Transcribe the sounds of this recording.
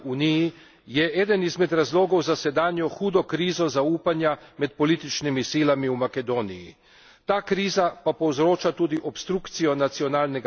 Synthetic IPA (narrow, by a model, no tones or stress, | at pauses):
uːniji | jɛʔɛːd̪ənizmɛd̪ɾazloːɡɔwzasɛd̪aːnjɔxuːd̪ɔkɾiːzɔzauːpanjamɛt̪̚pɔliːt̪it͡ʃnimisiːlamiumakɛd̪oːnijḭ | t̪aːkɾiːzapapɔwzɾoːt͡ʃat̪uːd̪iʔɔpst̪ɾukt̪sijɔnat̪siɔnaːlnɛɡ